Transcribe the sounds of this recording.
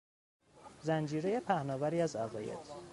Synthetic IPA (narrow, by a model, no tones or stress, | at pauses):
zænd͡ʒiːɾejepʰæhnɒːvæɾiːæzæɣɒːjḛd̪̥